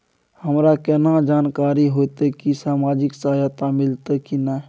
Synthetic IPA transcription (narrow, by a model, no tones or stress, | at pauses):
həmɾakɛnãd͡ʒaːnkaːɾiɦoːt̪ekisaːmaːd͡ʒɪksaːjat̪amɪlt̪ekina